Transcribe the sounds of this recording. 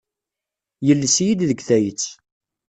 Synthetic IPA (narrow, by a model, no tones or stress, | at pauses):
jəlːəsjid̪ðəɡθæjət͡sː